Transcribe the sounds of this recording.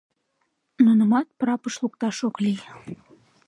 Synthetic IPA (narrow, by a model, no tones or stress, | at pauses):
nunəmɑt̪̚prɑpəʃlukt̪ɑʃoklij